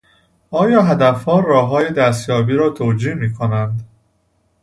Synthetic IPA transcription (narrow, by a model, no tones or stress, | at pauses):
ɒːjɒːɦæd̪æfhɒːɾɒːɦɒːjed̪æst̪jɒːbiːɾɒːt̪ʰoːd͡ʒiːmiːkʰonænd̪